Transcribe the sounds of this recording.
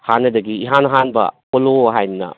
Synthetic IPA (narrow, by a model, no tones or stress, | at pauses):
hanːɐdɐɡiːɦanɦanbɐ̰poloɦajnɐ̰